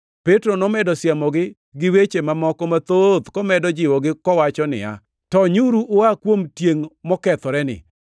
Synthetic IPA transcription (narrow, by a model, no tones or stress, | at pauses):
petɾonɔmɛdɔsjamɔɡɪ | ɡɪwet͡ʃemamɔkɔmat̪od̪kɔmɛdɔd͡ʒɪwɔɡɪkɔwat͡ʃɔnɪ̰a̰ | tɔɲuɾuʔʊakwomtjeŋmɔkɛt̪ɔɾɛnɪ̰